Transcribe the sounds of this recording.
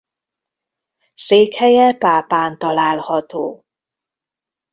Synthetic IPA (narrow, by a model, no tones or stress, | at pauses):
seːkhɛjɛpaːpaːnt̪ɒlaːlhɒt̪oː